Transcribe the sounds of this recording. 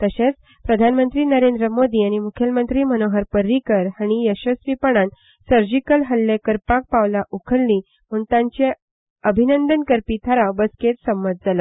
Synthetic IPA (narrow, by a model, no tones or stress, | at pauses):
t̪əɕẽt͡s | pɾəd̪ʱanmənt̪ɾiːnəɾend̪ɾəmod̪iːañimukʰjəlmənt̪ɾiːm̤ənoɦəɾpəɾːikəɾaɽ̃ijəɕəsɾipəɳan | səɾd͡ʑikəlɦəlːekəɾpak̚paʋlaʔukʰəɽli | m̤uɳt̪ãɲt͡ɕe | əbʱinənd̪ənkəɾpiːt̪ʰaɾawbəsket̪səmːət̪̚d͡zalə